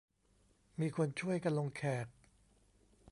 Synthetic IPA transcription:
miː˧kʰo˧nt͡ɕʰu˥˩əjka˧nlo˧ŋkʰɛː˨˩k̚

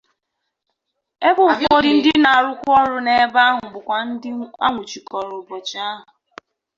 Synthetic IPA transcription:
e˦bʊ˦˨kɔ˦dɪ˨n̩˦dɪ˦na˨a˨ɾʊ˦kʷʊ˦ɔ˦ɾʊ˦ne˦ba˦ɦʊ˨bʊ˨kʷa˨˦a̰˦ŋʷʊ˨t͡ʃi˨kɔ˨ɾʊ˨bɔ˨t͡ʃa˦ɦʊ˨

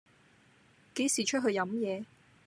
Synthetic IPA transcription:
ke˨˥jsiː˨˩t͡ʃʰɵ˥t̚ɦɵ˧ɥjɐ˨˧˥mjɛː˨˧

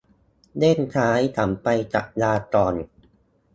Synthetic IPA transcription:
deː˥˩nt̪ʰaː˦˥jt̪ʰaː˩˦mpa˧jt͡ɕa˨˩k̚laː˧t̪ɔː˨˩n

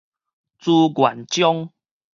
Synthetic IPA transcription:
t͡su˧ɡwa̰˨˩nt͡ɕjɔ˦ŋ

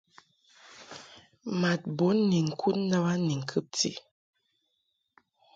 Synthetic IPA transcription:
ma˨t̚bo˨˦nːi˨ŋ̩˨kʰu˦tn˦ə˦ba˦ni˨ŋ̩˨kʰɨ˦p̚tḭ˨

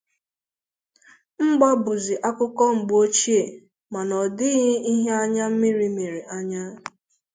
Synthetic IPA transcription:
ŋ͡m̩˦ɡ͡bɔ˦bʊ˨zi˨ʔa˦kʷʊ˦kɔ˦ŋ͡m̩˨ɡ͡bo˦t͡ʃi˦e˨ | ma˨nɔ˨dɪ˦ɣɪ˦i˦ɦe˦a˦ɲa˦m̩˦mi˦ɾi˦mi˨ɾi˨ʔa˦ɲa˦

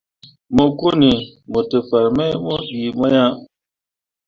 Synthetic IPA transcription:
mo˦ko˦ni˨mo˨te˨fa˨ɾmɛ˦mɔ˦ɗi˨mɔ˦ja˦

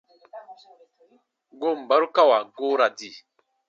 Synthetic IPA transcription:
ɡo˦˨m̩˨ba˨˦ɾu˦ka˦wa˨ɡo˦ɾa˨di˨

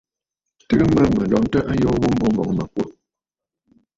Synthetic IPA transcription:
tɨ˦ɣɨ˦mə˦mə˨lɔ˨ʔn̩˦tə˦ʔa˦jɔː˦wo˦m̩˦bo˦bɔ̰˨ŋ˨mə˨kwə˦˨

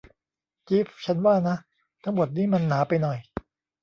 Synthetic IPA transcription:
t͡ɕi˦˥ft͡ɕʰa˦˥nwaː˥˩na˦˥ | t̪ʰa˦˥ŋmo˨˩t̪̚niː˦˥˩ma˧nːaː˩˦pa˧jnɔ˨˩j

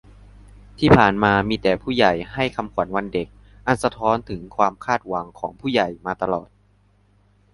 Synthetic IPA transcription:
t̪ʰiː˥˩pʰaː˨˩nmaː˧miː˧t̪ɛː˨˩pʰuː˥˩ja˨˩jha˥˩jkʰa˧mkʰwa˨˩˦nwa˧nde˨˩k̚ | ʔa˨˧˩nsa˧t̪ʰɔː˦˥nt̪ʰɯ˩˦ŋkʰwaː˧mkʰaː˥˩t̪̚wa˩˦ŋkʰɔː˩˦ŋpʰuː˥˩ja˨˩jmaː˧t̪a˧lɔː˨˩t̪̚

